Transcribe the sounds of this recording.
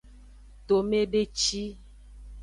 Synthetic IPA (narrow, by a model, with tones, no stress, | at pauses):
t̪o˨me˦ɖe˦t͡ʃi˦